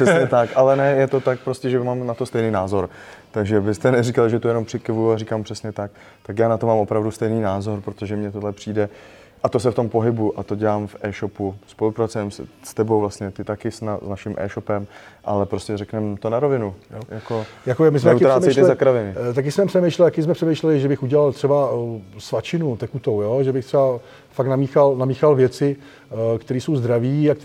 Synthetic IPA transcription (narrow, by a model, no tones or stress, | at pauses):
ʂɛsɲɲɛt̪akʔalɛnɛjɛt̪o̞t̪ak̚pɾo̞scɛʒɛmaːmnat̪ost̪ɛjniːnaːzo̞ɾt̪aɡʒɛbɪst̪ɛnɛrikalʒɛt̪ujɛnompr̥ɪkɪvujuarikaːmpr̥ɛsɲɛt̪ak̚ | t̪akjaːnat̪omaːmo̞pɾavdust̪ɛjniːnaːzo̞ɾpɾot̪oʒɛmɲɛt̪odlɛpr̝̥iːdɛ | ʔat̪os̬ɛft̪o̞mpo̞ɦɪbuʔat̪oɟɛlaːmfʔɛːʃopuspo̞lupɾat͡sujɛmsst̪ɛbowvlasɲɛt̪ɪt̪akɪsnaznaʃɪmʔɛ̰ːʃo̞pɛmʔalɛpɾoscɛrɛknɛmt̪onaɾovɪnujojakojakoɛmɪs̬nmɛut̪ɾaːɛmɛjʃt̪ɪɛzakɾavɪnɪt̪ak̬ɪsmɛprɛmejʃlɛlt̪akɪs̬mɛpr̥ɛmejʃlɛlɪʒɛbɪxuɟɛlalt̪r̥ɛbasvat͡ʃɪnut̪ɛkut̪owjoʒɛbɪxt̪rɛba | faknamiːxalnamiːxalvjɛt͡sɪ | kt̪ɛɾiːsowzd̪ɾaviːakt̪